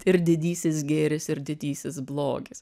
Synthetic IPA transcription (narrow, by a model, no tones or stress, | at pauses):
ɪɾd̪ʲɪd̪ʲiːsʲɪs̬ɡʲeːɾʲɪsɪɾd̪ʲɪd̪ʲiːsʲɪsblˠoːɡʲɪs